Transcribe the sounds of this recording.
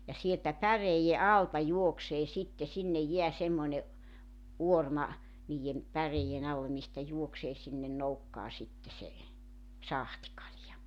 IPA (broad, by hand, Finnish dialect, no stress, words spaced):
jɑ sieltæ pæreijːe ɑltɑ juokseː sitːe sinːej jeæ semːoĭne ʔuormɑ niːjːem pæreij̆en ɑlːe mistæ juokseː sinːe noukːɑː sitːe se sɑhtĭkɑljɑ